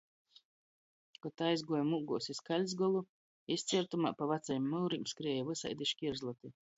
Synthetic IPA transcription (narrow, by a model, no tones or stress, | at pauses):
kɔt̪aːizɡuɔjmuɡuɔsiskalʲzɡɔlˠu | ist̪sʲiɛɾt̪uma̰ːpavat̪sajimːɨwɾimskɾiɛjavɨsa̰jd̪iʃkʲiɾzlˠɔt̪i